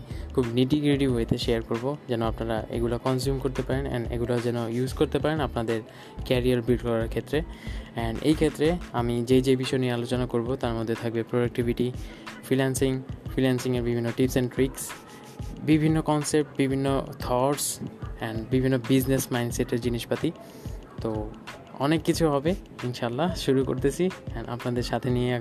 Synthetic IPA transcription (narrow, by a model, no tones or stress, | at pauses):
kʰubniʈiɡɾiʈibɦojet̪ʰeʃeaɾkoɾbod͡ʑɛnoapnaɾaʔḛɡulakɔnsjumkoɾt̪epaɾenɛ̰nḛɡulad͡ʑɛnojuzkoɾt̪epaɾenapnad̪eɾ | kɛɾiaɾbilɖkɔɾaɾkʰet̪ːɾeɛnḛjkʰet̪ːɾeamid͡ʑed͡ʑebiʃɔeniealot͡ɕonakoɾbot̪aɾmod̪ʱːet̪ʰak̚bepɾoɖak̚ʈibʱiʈi | fʰɾinansiŋfɾinansiŋaɾbibʱinːoʈipsenʈɾiks | bibʱinːokɔnsep̚ʈ̚bibʱinːo̰t̪ʰɔɾsɛnɖbibʱinːobid͡ʑnesmajnseʈeɾd͡ʑiniʃpat̪i | t̪o | ɔnekːit͡ɕʰuɦɔbe | inʃaːlːaʃuɾuko̰ɾt̪et͡ɕʰiɛna̰pnad̪eɾʃat̪ʰeniea